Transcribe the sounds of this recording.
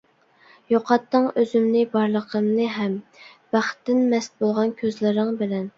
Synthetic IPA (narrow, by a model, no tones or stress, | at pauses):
joqʰɑt̪ːɨŋøzymnɪbɑɾlˠəqʰəmnɨɦɛmb̥æχt̪ːɪnmɛst̪̚bolˠʁɑnkʲʰøzlɪɾɪŋbɪlɛn